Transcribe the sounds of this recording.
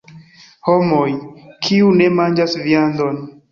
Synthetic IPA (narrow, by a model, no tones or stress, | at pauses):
homojkʰiune̞mand͡ʒasviandon